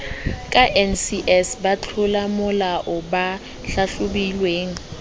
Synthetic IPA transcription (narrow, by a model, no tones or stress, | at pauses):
kʼaʔɛnsiʔɛsbat͡ɬʰʊlamʊlaʔʊba | ɬaɬʊbilweːŋ̩